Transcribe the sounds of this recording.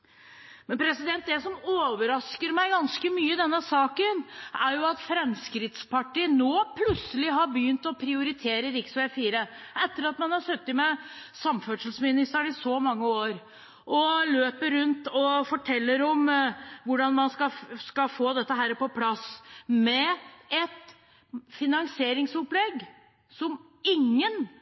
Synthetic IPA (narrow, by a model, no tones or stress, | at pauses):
mɛnpʰɾɛsɪd̪ɛnt̪̚d̪ɛsɔmoːʋəɾɑskəɾmæɪɡɑnskəmyːəd̪ɛnːəsɑːkənʔæɾjʊɑt̪fɾɛmskɾɪt̪spɑʈiːənoːpʰlʉt̪səlɪɦɑɾbəjʏnt̪ɔpʰɾɪʊɾɪt̪ʰeːɾəɾɪksʋæːfiːɾəʔɛt̪ːəɾɑt̪mɑnhɑɾsœt̪ːɪmɛsɑmfœʈʂlsmɪnɪst̪əɳɪsɔmɑŋːəoːɾ | ʔɔløːpəɾːʉnt̪ɔfɔʈʰɛlːəɾɔmʋʊɖɑnmɑnskɑskɑfoːd̪ɛt̪ːəɦæːɾpɔpʰlɑsmɛɛt̪ | fɪnɑŋseːɾɪŋsɔplɛɡ | sɔm | ɪŋːən